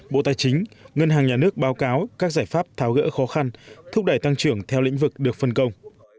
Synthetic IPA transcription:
ɓo̰˧˨t̪aː˨˩jt͡ɕï˨˦ŋ̟ŋə˧nɦaː˨˩ŋɲaː˨˩nɨ˦˥ək̚ɓaː˨˦wkaː˨˦wkaː˦˥k̚zaː˧˩jfaː˦˥p̚t̪ʰaː˨˦wɣə̰ː˧˥xɔ˨˦xa˧nt̪ʰʊ˦˥k͡p̚ɗə˧˩jt̪a˧ŋt͡ɕɨ˧˩əŋt̪ʰɛ˧wlḭ̈˧˥ŋ̟vɨ˨˩k̚ɗɨ˨˩ək̚fə˧nkə˧wŋ͡m

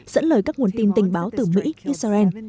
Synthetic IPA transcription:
z̥ə̰˧˥nləː˧˩jkaː˦˥k̚ŋu˨˩ənt̪i˧nt̪ï˨˩ŋ̟ɓaː˨˦wt̪ɨ˨˩mḭ˧˥ʔi˦˥t̚sa˧ʔɛ˧n

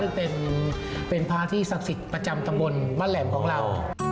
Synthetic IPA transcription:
ɯ˥˩pe˧n | pe˧npʰaː˧˥t̪ʰiː˥˩sa˨˦p̚si˨˩t̪̚pɾa˧t͡ɕa˧mt̪a˧mbo˧nbaː˥˩nlɛː˩˦mkʰɔː˩˦ŋɾa˧w

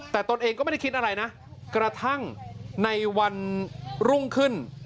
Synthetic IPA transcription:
t̪ɛː˨˩t̪o˧nʔeː˧ŋkɔ˥˩m˥˩˥kʰi˦t̪̚ʔa˧ɾa˧jna˦˥ʔ | kɾa˧t̪ʰa˥˩ŋna˧jwa˧nɾu˥˩ŋkʰɯ˥˩n

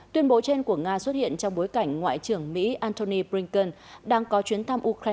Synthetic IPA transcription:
t̪wi˧ənɓo˨˦t͡ɕe˧nku˧˩əŋaː˧swə˦˥t̚hḭ˧˨ənt͡ɕɔ˧wŋ͡mɓo˨˦jka˧˩jŋ̟ŋwa̰ː˧˨t͡ɕɨ˨˧˩əŋmḭ˧˥ʔaː˧nt̪o˧ni˧pli˧ŋkə˧n | ɗaː˧ŋkɔ˨˦t͡ɕwi˨˦ənt̪ʰa˧mʔu˧kɾa˧

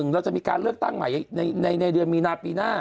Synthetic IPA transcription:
ŋɾɛː˦wt͡ɕa˨˩miː˧kaː˧nlɯ˥˩ək̚t̪a˥˩ŋma˨˩˦jna˧jna˧jna˧jdɯ˧ənmiː˧naː˧piː˧naː˥˩

